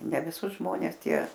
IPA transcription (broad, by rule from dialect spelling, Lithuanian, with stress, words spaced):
nʲɛ ʋʲɪˈsʊs ˈʒmoːnʲɛs ˈtʲiɛ